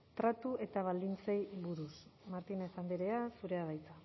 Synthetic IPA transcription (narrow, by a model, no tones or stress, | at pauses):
t̪ɾat̪uʔe̞t̪aβ̞ald̪int͡sejβuɾusmaɾt̪ine̞sand̪eɾeasuɾe̞aðajt͡sa